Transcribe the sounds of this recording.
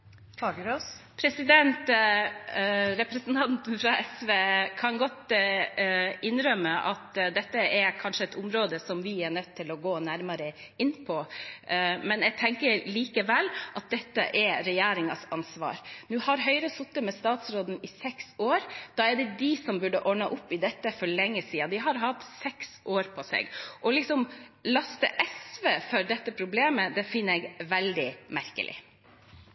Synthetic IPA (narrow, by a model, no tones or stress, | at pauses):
ɑɡpʰɾɛsɪd̪ɛnt̪ | ɾɛpɾɛsn̩t̪ʰɑnt̪n̩fɾɑʔɛsʋeːkʰɑnɡɔt̪ | ɪnɾœmːəʔɑt̪d̪ɛt̪ːəɛɾkʰɑnʂəɛt̪ʊmɾoːd̪əsɔmʋɪæɳœt̪ʰːɪlɔɡoːnæɾmɑɾə | ɪnːpʰɔ | mɛnɛɡ̚t̪ʰɛŋkəɾliːkəʋɛlːʔɑt̪̚d̪ɛt̪ːə̰ʔɛɾɛjeːɾɪŋɑsɑnsʋɑ̰ːɾnʉhɑɾɦœʏɾəsʊt̪ːəmɛst̪ɑːt̪sɾoːd̪n̩ɪsɛksoːɾd̪̥ɑːɛɖɛd̪ɪsɔmbʉɖəʔɔɳɑʔʊpːɪd̪ɛt̪ːəfɔɭɛŋːəsiːɑd̪ɪɦɑɾɦɑt̪sɛksʔoːɾpʰɔsɛ̰ɡʔɔlɪksɔmlɑst̪əʔɛsʋefœɾɖɛt̪ːəpʰɾʊbleːməd̪ɛfɪnːɛɡʋɛld̪ɪmæɾkə̰lʔɪ̰